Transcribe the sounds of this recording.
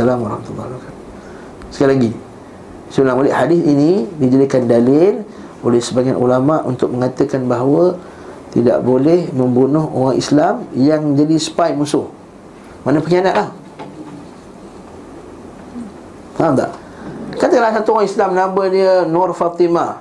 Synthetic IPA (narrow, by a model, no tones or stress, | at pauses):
alamwaɾɔhmat̪ulːahlakat̪u̥ | sə̥kailaɡi | səolaŋmolɛʔhadiθinidid͡ʒalikandalɪl | olɛhsəbaŋat̪ulamaʔṵnt̪ʊk̚məŋat̪əkanbaɦwə | t̪ḭda̰ʔbolɛhməmbunʊho̰ɣaŋḭslamjaŋməɲd͡ʒadisə̥pajmusʊh | manapəkianaʔlah | ad̪a̰ʔ | kat̪əlahsat̪uoɣaŋislamnambədiənɔrfat̪ima